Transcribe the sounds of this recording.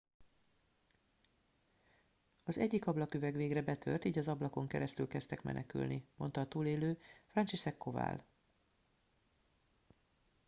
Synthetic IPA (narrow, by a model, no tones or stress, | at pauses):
ɒzɛɟːikɒblɒkyvɛɡʋeːɡrɛbɛt̪ʰø̰rt̪iːɟɒzɒblɒko̞ŋkɛɾɛst̪ylkɛst̪ɛkmɛ̰nɛky̰lnimo̞nt̪ɒːt̪uːleːløːfrɒnt͡ʃiʃɛkːo̞va̰ːl